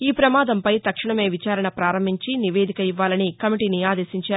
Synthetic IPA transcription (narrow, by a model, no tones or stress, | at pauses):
iːpɾɐmaːd̪ɐmpɐjt̪ɐkʂɐɳɐme̞ːʋit͡ʃaːɾɐɳɐpɾaːɾɐmbʱiɲt͡ʃiniʋe̞ːd̪ikɐiʋːaːlɐnikɐmiʈiːniaːd̪e̞ːsiɲt͡ʃaː